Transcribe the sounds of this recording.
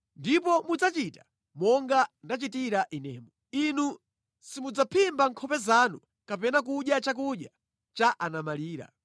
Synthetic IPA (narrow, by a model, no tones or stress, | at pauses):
ndip̬ɔmud͡zat͡ʃiːtḁ | mɔŋɡandat͡ʃitiɾaʔinɛːmɔ | inu | simud͡zapʰimbaŋkʰɔpɛzaːnu | kapɛnak̬uɗjat͡ʃak̬uɗja | t͡ʃaʔanamaliːɾa̰